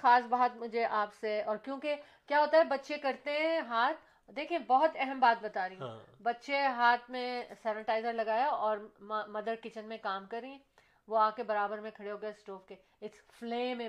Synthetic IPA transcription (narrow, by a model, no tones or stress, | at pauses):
xaːsbaːt̪mʊd͡ʒʱeʔaːpseɔːɾkjõːke | kjaːɦoːt̪aɦɛbɐtːʃekɐɾt̪eɦɛ̃ɦaːt̪ʰ | d̪eːkʰiẽbɔɦʊt̪ɛɦɛmbaːt̪̚bɐt̪aːɾiũbɐtːʃeɦaːt̪ʰmẽsɛːnɪʈaːɪzəɾlɐɡaːjaɔːɾmmɐd̪əɾkɪt͡ʃənmẽkaːmkɐɾːĩ | ʋoaːkebɐɾaːbəɾmẽkʰɐɽeɦoːɡɐesʈoːfke | ɪsfleːmẽ